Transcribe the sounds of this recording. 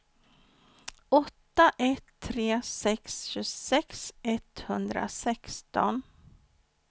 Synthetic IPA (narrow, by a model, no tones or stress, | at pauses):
ɔt̪ːaʔɛt̪ʰːɾeːsɛksɕɵsɛksɛt̪hɵnd̪ɾa̰sɛkst̪ɔ̰n